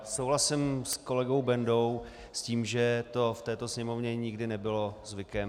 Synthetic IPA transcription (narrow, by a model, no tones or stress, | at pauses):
sowɦlasɪmsko̞lɛɡo̞wbɛndo̞w | sciːmʒɛt̪o̞ft̪ɛːt̪o̞sɲɛmo̞vɲɛɲɪɡdɪnɛbɪlo̞zvɪkɛm